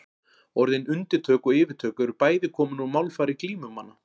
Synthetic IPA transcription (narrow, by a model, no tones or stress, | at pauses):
ɔɾðɪnʏnt̪ɪɾt̪ʰœːkɔɪːvɪɾt̪ʰœːkʏɾpaːjðɪkʰɔːmʏnumawlfaːɾɪkliːmʏmːanːa